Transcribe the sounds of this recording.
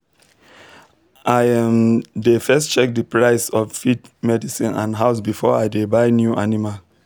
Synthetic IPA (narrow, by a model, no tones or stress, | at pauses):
ʔajɛ̃mdefɛstt͡ʃɛk̚dəpɹaɪsɔffidmɛdisĩnã̰ndɦaʊsbifɔajdebaɪnjuʔanima